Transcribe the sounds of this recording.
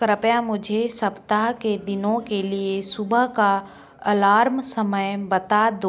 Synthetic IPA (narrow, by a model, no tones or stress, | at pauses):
kɾəpjamʊd͡ʒʱesɐpt̪aɦked̪ɪnõkeliesʊbəɦka | ɐlaːɾmsəməjbət̪ad̪o